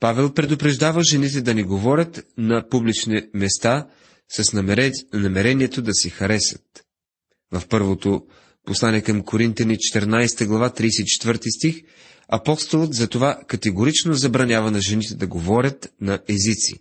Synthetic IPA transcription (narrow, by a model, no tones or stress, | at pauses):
pavɛlˠpɾɛd̪ʊpɾɛʒd̪avəʒɛnit̪̬ɛd̪ɐnɛɡovɔɾʲət̪nɐpublit͡ʃnimɛst̪a | sɐsnnɐmɛɾɛniɛt̪od̪ɐsɛxɐɾɛsə̥t̪̚ | vɐfpɤɾvot̪o | poslˠanɛkɐmkoɾint̪ʲjɐnit͡ʃɛ̥t̪ɛɾnajsɛ̥t̪əɡlˠɐvat̪ɾijsɛit͡ʃɛ̥t̪vɤɾt̪ist̪ix | ɐpɔst̪olˠət̪zɐt̪ovakɐt̪ɛɡoɾit͡ʃnozɐbɾɐnʲjavɐnɐʒɛnit̪ɛd̪ɐɡovɔɾʲət̪nɐʔɛzit̪sḭ